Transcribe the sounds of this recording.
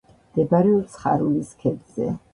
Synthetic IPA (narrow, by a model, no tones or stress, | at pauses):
d̪̥ɛbaɾɛɔt̪sʰχa̰ɾuliskʰɛd̪z̥ɛ̰